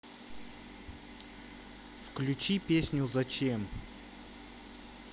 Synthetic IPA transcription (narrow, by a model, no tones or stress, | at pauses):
fklʲʉt͡ɕipʲesʲnʲʊzɐt͡ɕem